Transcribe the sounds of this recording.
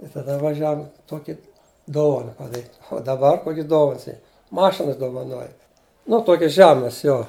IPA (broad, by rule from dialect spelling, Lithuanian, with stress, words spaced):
ɪ tɐˈdɐ ʋɐˈʒʲæːʋʊm ˈtoːkʲɪ ˈdoːʋɐnɐ pɐˈdɑːrʲiːt ʊ dɐˈbɐr ˈkoːkʲɪs ˈdoːʋɐns ˈiː ˈmɑːʃʲɪns doːʋɐˈnoːjɛ nʊ ˈtoːkʲɪs ˈʒʲæːmɐs ˈjoː